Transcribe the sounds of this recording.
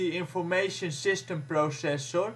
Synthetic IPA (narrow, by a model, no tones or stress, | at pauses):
iɪ̃nfɔɹmejʃə̃nsɪstə̃mprosɛsɔɹ